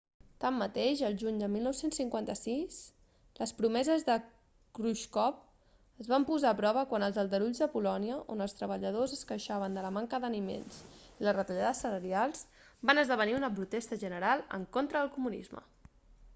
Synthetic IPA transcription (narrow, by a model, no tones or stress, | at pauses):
t̪amːət̪eʃəlˠʒuɲd̪əmilˠnɔwsensːiŋkwant̪əsis | ləspɾumɛzəzðə | kɾuʃkɔp̚ | əzβampuzaːpɾɔβ̞əkwanəlˠzəlˠd̪əɾuʎzðəpulɔniəʔonəlˠst̪ɾəβ̞əʎəð̞ozəskəʃaβ̞ənd̪ələmaŋkəðənimḛnz̥ilərət̪əʎaðəsːələɾialˠz̥ | banəzðəβ̞əniunəpɾut̪ɛst̪əʒənəɾalˠə̰ŋkont̪ɾəðəlˠkumunḭzmə̰